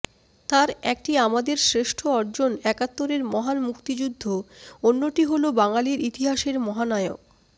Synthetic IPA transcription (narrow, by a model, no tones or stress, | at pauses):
t̪aɾɛk̚ʈiamad̪eɾsɾeʃʈʰoɔɾd͡ʑonɛkat̪ːoɾeɾmɔɦanmukt̪id͡ʑud̪ʱːoonːoʈiɦolobaŋaliɾit̪iɦaʃeɾmɔɦanaeo̰k̚